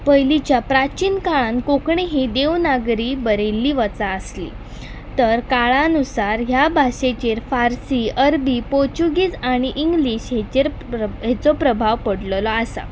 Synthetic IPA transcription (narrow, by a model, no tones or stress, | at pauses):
pəjlit͡ɕjapɾat͡ɕiːnkaɭãnkokɳeɦid̪eʋnaɡɾiːbəɾelːiːʋət͡saəslḭː | t̪əɾkaɭãnusaɾɦjabʱaɕet͡ɕeɾfaɾsiəɾbiːpoɾt͡ɕuɡiːd͡zaɽ̃iʔiŋɡliːɕɦet͡ɕeɾ | ɦet͡sɔpɾəbʱaʋpəɽllɔasa̰